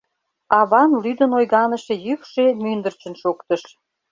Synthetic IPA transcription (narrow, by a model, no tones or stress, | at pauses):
ɑβɑnlyd̪ənojɣɑnəʃejykʃemynd̪ərt͡ɕə̆nʃokt̪əʃ